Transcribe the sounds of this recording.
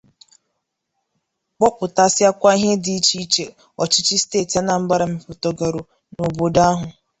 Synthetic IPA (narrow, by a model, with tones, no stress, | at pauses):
k͡pɔ˦kʷʊ˨ta˦sɪ˦a˦kʷa˦i˦ɦe˦di˨i˦t͡ʃi˦t͡ʃe˨ | ɔ˨t͡ʃɪ˦t͡ʃi˦steː˦˨ti˨˦a˦na˨m̩˦ba˦ɾa˨m̩˨pʊ˨to˨ɡa˨ɾo˨ | no˨bo˨da˦ɦʊ˨